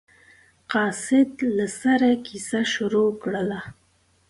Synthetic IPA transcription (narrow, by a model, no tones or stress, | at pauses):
qɑsɪd̪lasaɾakʰisaʃʊɾokɽəla